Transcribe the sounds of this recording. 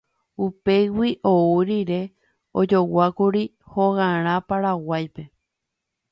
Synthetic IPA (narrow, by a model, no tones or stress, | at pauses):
upe̞jwiʔouɾiɾe̞ | od͡ʒo̞wakuɾi | hoɣãɾ̃ãpaɾawajpe̞